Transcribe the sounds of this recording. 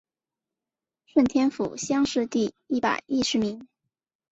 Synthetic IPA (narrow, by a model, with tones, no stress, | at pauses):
ʂwə˥˩nt̪ʰjɛ˥nfṵ˨˩ɕjɑ˥ŋʂɻ̩˥˧t̪i˥˧ | i˥˩pa̰˨˩ɪi˥˩ʂɻ̩˧˥mi˧˥ŋ